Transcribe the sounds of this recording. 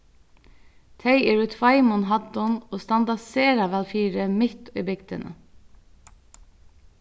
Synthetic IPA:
t̪ʰeɪeːɹʉːt̪ʰʋɑɪmɔnɦɑd̪ɔnoːst̪ɑnd̪ɑseːɾɑʋɛlfiːɾəmɪt̪iːbʏɡd̪ə̰nə̰

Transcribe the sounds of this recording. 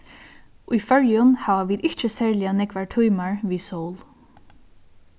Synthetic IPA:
ʊjfœɹjʊnhaːʋaʋiːd̪ɪht͡ʃəsɛːɹlɪjanɛkʋaɹʈʰujmaɹʋiːsowl

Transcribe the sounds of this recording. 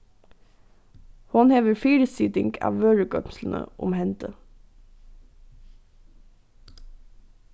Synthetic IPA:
hʊnheːʋəɹfiːɾəsɪːt̪ɪŋɡʰɑ̰ːʋʋøːɹəɡœ̰msl̩n̩ʔə̰ʔʊ̰mhɛnt̪ʰə

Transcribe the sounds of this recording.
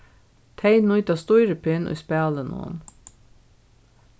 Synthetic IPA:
t̪ʰɛɪnujt̪ɑst̪ɔʏɾəpʰɪnʊ̰spæːlənṵn

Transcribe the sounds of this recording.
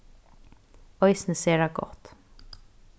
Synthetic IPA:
œʏsnəseːɾaɡɔ̰t̪

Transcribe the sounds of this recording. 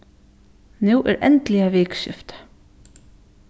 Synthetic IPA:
nuːʔɛ̰ːɾʔɛ̰nt̪lɪaʋɪːkʃɪ̰ft̪ḁ

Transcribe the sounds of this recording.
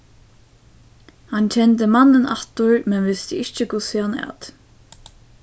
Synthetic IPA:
hant͡ʃʰɛnt̪əmanːənat̪ʊɹmɛnʋɪst̪əɪçt͡ʃəkʰʊsɪanæ̰ːt̪

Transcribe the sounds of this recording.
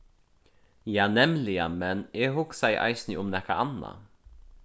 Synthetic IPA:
jɑːnɛmlɪamɛneːhʊksæɪʔɑ̰ɪsnɪʔʊmnɛkaʔɑna̰

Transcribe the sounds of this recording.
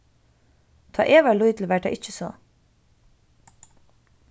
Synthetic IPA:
t̪ʰɑ̰ːʔeːʋɑluʏt̪ʰl̩ʋæʈ̚æ̰ʔɪc͡çəsɔ̰

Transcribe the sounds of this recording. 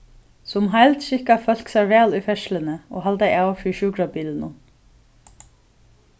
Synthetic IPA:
sʊmɦajlt̪ʃɪhkafœl̥ksɛɹʋɛːlʊfɛʃlənəo̰ːɦalt̪aɪawfiʃuːkɾabiːlnʊ

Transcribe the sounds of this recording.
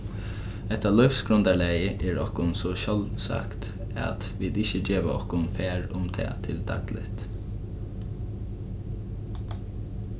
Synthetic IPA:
ɛht̪alɔʏfsɡɾʊnd̪aɭæːjəʔɛːɹɔhkʊnsɔʃɔlsa̰kt̪ | a̰t̪ʋiːd̪ɪçəd͡ʒeːʋaɔhkʊnfæːɹʊmt̪ʰɛ̰ːt̪ʰɪld̪a̰ɡlɪ̰ht̪

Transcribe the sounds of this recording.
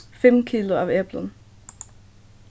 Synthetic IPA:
femkʰiloæʋeb̥lən

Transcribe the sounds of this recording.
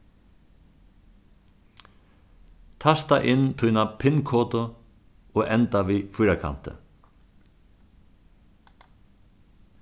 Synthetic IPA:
t̪ʰast̪aʔɪnːt̪ʰujnapʰɪnkʰɔːt̪ʊ | ɔːɛnt̪aʋiːfʊjɾakʰa̰n̥t̪ɪ̰

